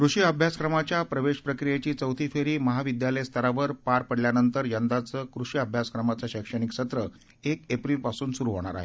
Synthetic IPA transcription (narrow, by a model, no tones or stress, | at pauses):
kɾuʂiːəbʱjaskɾəmat͡ɕjapɾəʋeɕpɾəkɾijet͡ɕiːt͡səwt̪ʰiːfeɾiːməɦaʋid̪jaləjst̪ʰəɾaʋəɾpaɾpəɽljanənt̪əɾjənd̪at͡səːkɾuɕiəbʱjaskɾəmat͡saɕəkʂəɽ̃ikɕət̪ɾə | ekepɾilpasuːnsuɾuɦoɽ̃a̰ɾa̰ɦḛ